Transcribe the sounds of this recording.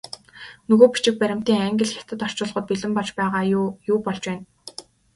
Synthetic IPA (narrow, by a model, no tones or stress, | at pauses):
nɵɣoːpi̥t͡ɕɪ̆k̚pæɾʲɪ̆m̥t̪iːŋaŋɡʲɪ̆ɮxʲḁt̪ɘ̆t̪ɔr̥t͡ɕʊ̆ːɮʁə̆t̪̚piɮɘ̆mpɔɮt͡ɕpæːʁaːjuːpɔɮt͡ɕwæːn